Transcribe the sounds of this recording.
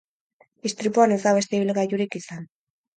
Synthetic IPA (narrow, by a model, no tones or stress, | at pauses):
d̪ist̪ɾipuane̞zd̪aβ̞e̞st̪e̞iβ̞ilɣajuɾikisan